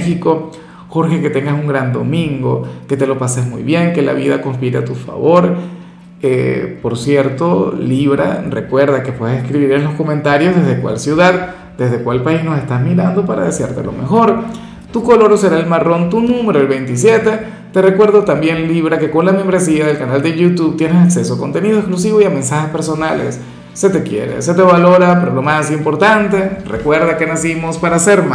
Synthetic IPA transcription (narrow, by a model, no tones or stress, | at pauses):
xiko̞ | xo̞ɾxe̞ke̞t̪e̞ŋɡasuŋɡɾand̪o̞mĩŋɡo̞̰ke̞t̪e̞lo̞pasezmujβje̞ŋke̞la̰β̞iðako̞nspiɾet̪ufa̰βo̞ɾ | ḛpo̞ɾsje̞ɾt̪o̞liβɾa̰re̞kwe̞ɾðake̞pweðesehskɾiβiɾenlo̞sko̞ment̪aɾjo̞zðe̞zðekwa̰lsjuðað | d̪e̞zðe̞kwalpaisno̞se̞st̪azmiɾand̪o̞paɾa̰ðesjaɾt̪elo̞̰me̞xo̞ɾ | t̪uko̞lo̞ɾose̞ɾaelmaro̞nt̪unũme̞ɾoelβe̞jnt̪isje̞t̪e̞ | t̪e̞re̞kwe̞ɾðot̪ambje̞nliβɾake̞ko̞nlamembɾe̞siaðe̞lkanald̪e̞ʝut̪uβt̪jenesakse̞soako̞nt̪e̞nið̞oesklus̬iβo̞iamẽ̞nsaxespe̞ɾso̞nalḛsː | e̞t̪ekje̞̰ɾḛse̞t̪e̞βalo̞ɾapeɾolo̞mas̬impo̞ɾt̪ant̪e̞rḛkwe̞ɾðake̞nasimo̞spaɾaseɾma